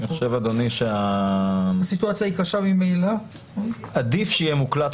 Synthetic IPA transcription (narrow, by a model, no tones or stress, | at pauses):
iχoʃe̞vad̪oniʃea | asituat͡sjaikaʃamimeila | ad̪ifʃeijemuklat̪